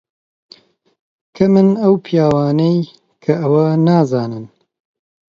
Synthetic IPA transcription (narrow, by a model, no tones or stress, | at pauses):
kʰɐmɨnɐwpʰijaːwaːnej | kʰɐʔɐwɐnaːzaːnɨn